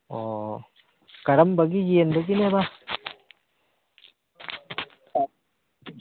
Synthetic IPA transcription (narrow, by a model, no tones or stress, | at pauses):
o | kaɾambakijiend̪okineβa